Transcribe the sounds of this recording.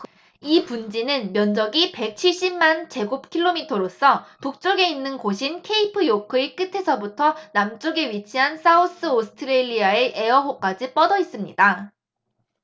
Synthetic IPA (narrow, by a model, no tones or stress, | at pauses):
ipund͡ʑinɯnmjʌnd͡ʑʌɡipe̞k̚t͡ɕʰiɭɕ͈immant͡ɕe̞ɡop̚kʰiɭːomitʰʌɾos͈ʰʌpuk̚t͡ɕ͈oɡe̞inːɯnkoɕʰinkʰe̞ipʰɯjokʰɯik͈ɯtʰe̞sʰʌbutʰʌnamt͡ɕ͈oɡe̞ɥit͡ɕʰiɦansʰaos͈ɯosʰɯ̥tʰɯɾeʎːiaeʔe̞ʌɦok͈ad͡ʑip͈ʌdʌis͈ɯmɲḭda